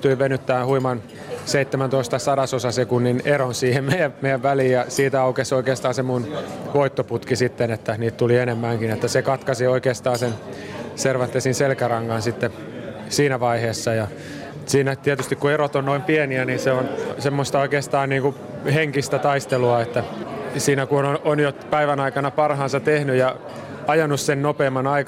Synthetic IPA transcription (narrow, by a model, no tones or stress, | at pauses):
yt̪yiʋenyt̪ːæːhuimɑn | seit̪ːemænt̪oist̪ɑsɑɾɑsosɑsekunːineɾonsiːhemmeijæmejæʋʋæliːjɑsiːt̪æɑukesoikeːst̪ɑːnsemunʋoit̪ːoput̪kisit̪ːenet̪ːæniːt̪t̪ulienemːæŋkinet̪ːæsekɑt̪kɑsioikeːst̪ɑːnsenserʋɑt̪ːesinselkærɑŋːɑnsit̪ːe | siːnæʋɑiheːsːɑjɑ | siːnæt̪iæt̪yst̪ikkueɾot̪onnoimpieniæninseonsemːost̪ɑoikeːst̪ɑːnniːŋku | heŋkist̪æt̪ɑist̪eluɑet̪ːæsiːnækunoonjopæiʋænɑikɑnɑpɑrhɑːnsɑt̪ehnyjɑ | ɑjɑnussennopeːmːɑnɑik